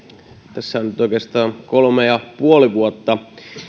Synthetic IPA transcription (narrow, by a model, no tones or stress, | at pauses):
t̪æsːæonyt̪oˑikest̪ɑːnkolmejɑpuoliʋuot̪ːɑ